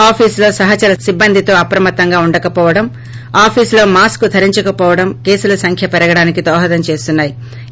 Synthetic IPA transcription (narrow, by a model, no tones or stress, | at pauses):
aːpʰiːslo̞ːsɐɦɐt͡ʃɐlɐsibːɐnd̪ʱit̪o̞ːɐpɾɐmɐt̪ːɐŋɡaːuɳɖɐkɐpɔːʋɐɽɐm | aːpʰiːslo̞ːmaːskud̪ʰʱɐɾiɲt͡ʃɐkɐpɔːʋɐɽɐmke̞ːsulɐsɐŋkʰjɐpɛɾɐɡɐɽaːnikid̪ɔːɦɐd̪ɐmt͡ʃe̞ːst̪unːaːji